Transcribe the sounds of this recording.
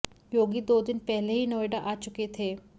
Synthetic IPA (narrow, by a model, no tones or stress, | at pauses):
joːɡid̪od̪ɪnpɛɦleɦiːnoʋeɖaʔat͡ʃʊket̪ʰeː